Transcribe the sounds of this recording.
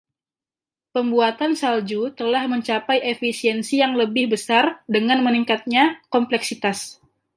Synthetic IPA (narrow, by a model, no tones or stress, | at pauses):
pəmbuat̪ansald͡ʒut̪əlahməɲt͡ʃapajʔefisiɛnsijaŋləbɪhbəsardəŋanməniŋkat̪̚ɲakɔmplɛksit̪as